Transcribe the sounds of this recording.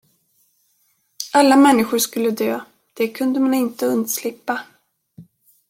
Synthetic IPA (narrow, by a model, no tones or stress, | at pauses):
ʔalːamɛnːɪɧʊʂkɵlːəd̪øː | d̪̥ɛkʰɵnd̪əmanɪnt̪əɵnd̪slɪpːa